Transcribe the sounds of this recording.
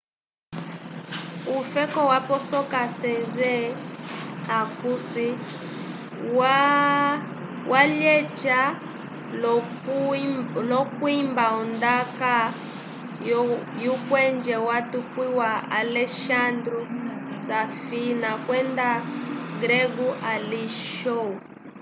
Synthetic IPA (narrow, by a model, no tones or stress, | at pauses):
ufɛkɔwapɔsɔkasɛnzɛ | akusi | wa | wʔalɛt͡ʃa | lɔkuimbaɔndaka | jukwɛnd͡ʒɛwatukwiwaalɛʃandɾusafinakwɛndaɡɾɛɡuʔaliʃɔu